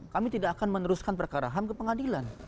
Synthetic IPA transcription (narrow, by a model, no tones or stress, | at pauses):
kamit̪idaːkanmənəɾuskanpərkaɾaɦamkəpəŋadilan